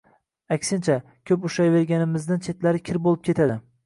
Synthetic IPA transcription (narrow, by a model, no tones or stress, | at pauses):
akʲsɪnt͡ʃʰa | kʲʰɵpʊʃajve̞ɾɡʲanɪmɪznɪnt͡ʃʰe̞t̪laɾɪkʲʰɪɾbolˠɪp̚kʰʲe̞t̪ʰad̪ɪ